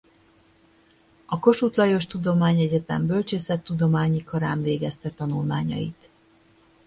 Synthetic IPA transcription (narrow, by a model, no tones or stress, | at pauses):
ɒko̞ʃut̪lɒjo̞ʃt̪ud̪o̞maːɲɛɟɛt̪ɛ̰mbølt͡ʃeːsɛt̪ːud̪o̞maːɲikʰɒɾaːnveːɡɛst̪ɛt̪ɒnulmaːɲɒ̰jit̪